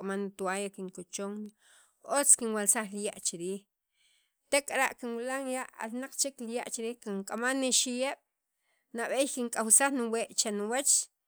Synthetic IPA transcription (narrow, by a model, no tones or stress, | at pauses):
amanit̪uajakiŋkut͡ʃoŋ | ot͡skinwalsaχlijaʔt͡ʃiɾiːx | t̪ekʼaɾaʔkinwilaŋjaʔa̰lnaq͡χt͡ʃiklijaʔt͡ʃiɾiːxkiŋkʼamanːiʃijeɓ̥ | naɓejkiŋkʼawsaχnuweːʔt͡ʃanuwat͡ʃ